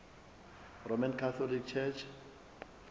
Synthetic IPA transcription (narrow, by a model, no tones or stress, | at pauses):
rɔmãnkʰaθʰɔlikt͡ʃʰɛt͡ʃʰ